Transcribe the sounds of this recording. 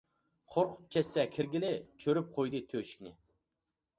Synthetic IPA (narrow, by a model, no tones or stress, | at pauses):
qʰoɾqʰʊ̥p̚kʲʰɛsːɛkʲʰɪɾɡʲɪlɪkʲʰøɾyp̚qʰojd̪ɨt̪ʰøʃi̥kʲnɪ